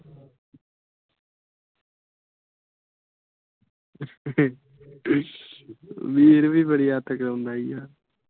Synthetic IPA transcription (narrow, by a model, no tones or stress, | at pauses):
ʋiːɾuʋipɐɽijaːt̪ːɐkːɐɭund̪aːjijaː